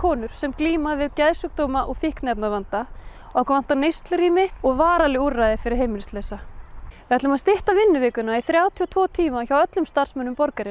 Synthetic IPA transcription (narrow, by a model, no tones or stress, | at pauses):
kʰɔːnʏɾ̥sɛmkliːmavɪðcɛðsʏk̚t̪oːwmaʔɔɣfɪhknɛpnavant̪a | awkvan̥t̪anejst̪lʏɾimɪɔɣvaːɾalɪurajðɪfɪɾɪɾ̥ɦeːjmnɪst̪lœɥsavɪhat̪lʏmaðst̪ɪht̪avɪnːʏvɪːkʏnaiθɾjaːwt̪ʰiɔt̪ʰvɔːt̪ʰiːmaçawœt̪lʏmst̪ar̥smœnːʏmpɔɾkaɾɪn